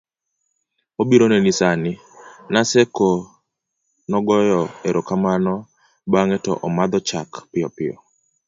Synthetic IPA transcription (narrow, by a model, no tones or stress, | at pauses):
obiɾonenisanɪ | nasɛkɔ | nɔɡɔjɔeɾokamanɔ | baŋɛtɔ̰ʔɔmad̪ɔt͡ʃakpɪɔpɪɔ̰